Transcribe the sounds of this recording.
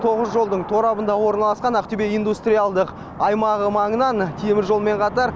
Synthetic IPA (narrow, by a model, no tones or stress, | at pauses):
t̪ʰo̞ʁəzʒo̞lˠd̪əɴt̪ʰo̞ɾɑbənd̪ɑwo̞ɾənɑlˠɑsqɑnæq̚t̪ɵbe̞ijnd̪ust̪ɾʲijalˠd̪əq | ɑjmɑʁəmɑɴənɑnt̪ʰemɪɾʒo̞lˠme̞ɴqʰɑt̪ɑɾ